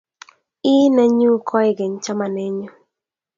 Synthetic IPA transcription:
ɪ˦nɛ˦ɲu˦kʰɔ˦ɪ˦ɡe˨ɲt͡ʃa˦ma˨ne˦ɲɔ˦

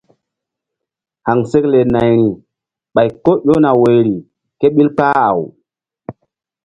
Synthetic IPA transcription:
ha˨ŋse˦kle˨na˨jɾi˨ | ɓa˨jko˦ɗo˦na˨we˨jɾi˨ | ke˦ɓi˦lk͡pa˦a̰˨w

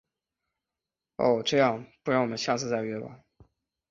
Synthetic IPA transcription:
o̰˥˧ʊʈ͡ʂɤ˥˧jɑ˥˩ŋpu˥˩ɻŋwɔ˨˩mə˦nɕja˥˧t͡sɹ̩˥˧t͡sa˥ɪɥɛ˥˩ba̰˨˦

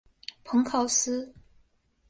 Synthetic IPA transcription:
pʰɤ˧˥ŋkʰɑ˥˩ʊsɹ̩˥

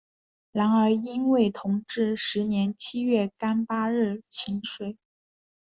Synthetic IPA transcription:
la˧˥nə˞˧˥i˥nwe˥˩ɪt̪ʰʊ˧˥ŋʈ͡ʂɻ̩˥˩ʂɻ̩˧˥njɛ˧˥nt͡ɕʰi˥ɥɛ˥˩ka˥npa˥ɻɻ̩˥˩t͡ɕʰi˧˥ŋʂwe˥˩ɪ

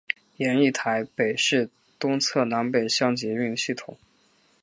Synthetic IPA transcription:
jɛ˧˥ni˥˩t̪ʰa˧˥ɪpe˨˩ɪʂɻ̩˥˩ | t̪ʊ˥ŋt͡sʰɤ˥˩na˧˥npe˨˩ɪɕjɑ˥ŋt͡ɕjɛ˧˥y˥˩nə˩ɕi˥˩t̪ʰʊ˨˩˦ŋ

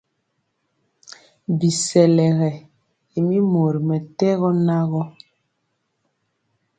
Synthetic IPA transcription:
bi˨sɛ˨lɛ˨ɣɛ˨ | e˨mi˦mo˨ɾi˨mɛ˨tɛ˦ɣɔ˦na˦ɣɔ˦

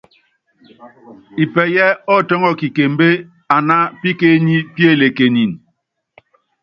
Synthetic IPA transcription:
i˨pɛ˨jɛ˦ɔ˦˨tɔ˦ŋɔ˦ki˨ke˨m˦be˦ | a˨na˦pi˦ke˦ɲi˦pe˦˨le˨ke˨ɲi˨n

